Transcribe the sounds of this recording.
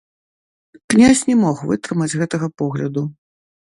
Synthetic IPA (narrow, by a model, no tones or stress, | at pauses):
knʲasʲnʲɛmɔxvɨt̪ɾɨmɐd͡zʲɣɛt̪ɐɣɐpɔɣlʲɐd̪u